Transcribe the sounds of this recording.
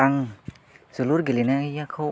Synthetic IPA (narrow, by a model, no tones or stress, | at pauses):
aŋ | suluɾɡilinaŋjakʰow